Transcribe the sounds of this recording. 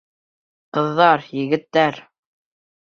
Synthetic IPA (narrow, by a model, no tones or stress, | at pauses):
qɤ̆ðːɑɾjɘ̆ɡɘ̆t̪ːæɾ